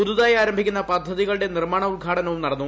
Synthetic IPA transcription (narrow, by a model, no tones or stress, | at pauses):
ud̪uðaːjaːɾɐmbʱikʲːunːɐpɐd̪ʱːɐðiɣɐɭɨɽe̞nirmaːɳɐuɭɡʱaːʈɐnɐʋumnɐɽɐnːu